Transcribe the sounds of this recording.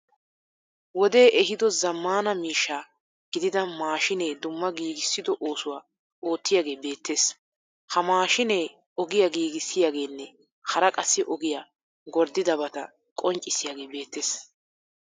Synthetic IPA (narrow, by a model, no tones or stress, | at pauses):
wɔd̪e̞ːʔɛɦɪd̪ɔzɐmːaːnɐmiːʃːaː | ɡ̥ɪd̪ɪd̪ɐmaːʃɪnejd̪ʊmːɐɡiːɡɪsːɪd̪ɔʔo̞ːsʊwaː | oːt̪ːɪjaːɡe̞ːbe̞ːt̪ʰːe̞ːs | hɐmaːʃɪneː | ɔɡɪjaɡiːɡɪsːɪjaɡe̞ːnːɛ | hɐɾɐkʼɐsːɪʔɔɡɪjaː | ɡɔɾd̪ːɪd̪ɐbɐt̪ɐ | kʼɔnt͡ʃʼːɪsɪjaːɡe̞ːbe̞ːt̪ʰːeːs